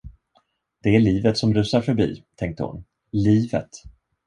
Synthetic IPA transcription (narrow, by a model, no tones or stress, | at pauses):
d̪̥ɛæɭiːvət̪sɔmɾʉ̟ːsaɾfœɾbḭːt̪ʰɛŋk̚t̪ə̰hʊ̰n | liːvə̰t̪